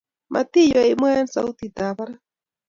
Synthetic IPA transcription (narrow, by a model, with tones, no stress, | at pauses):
mʔa̰t̪i˦jɔi˦mwɛ˦nsa˦u˦t̪it̪a˨βa˦ɾa˦